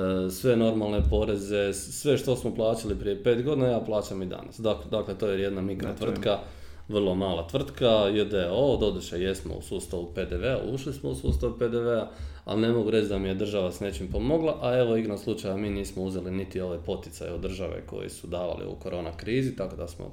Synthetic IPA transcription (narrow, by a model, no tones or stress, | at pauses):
sʋe̞no̞ɾmalˠne̞po̞ɾe̞ze̞ | sʋe̞ʃt̪o̞smoplˠaːt͡ɕalipɾije̞peːt̪ɡod̪inajaːplˠaːt͡ɕamid̪a̰nasd̪akd̪aklet̪o̞ːjeje̞d̪namikɾa̰t̪ʋr̩t̪ka | ʋrlˠo̞maːlˠat̪ʋr̩t̪kajed̪eod̪o̞d̪uʃeje̞smo̰ṵsuːst̪aʋupe̞d̪eʋe̞a̰ʔuʃlismousuːst̪aʋupe̞d̪eʋe̞a | a̰lne̞mo̞ɡuɾet͡ʃd̪amije̞d̪r̩ʒaʋasne̞t͡ʃimpo̞mo̞ɡlˠaʔae̞ʋoiɡnaslut͡ʃajamiːniːsmouze̞linit̪io̞ʋe̞po̞t̪jɪ̥sa̰jeod̪ːr̩ʒaʋḛko̞̰jḭsud̪aːʋa̰lḭṵkoɾo̞ːnakɾiːzit̪ako̞d̪asmo̰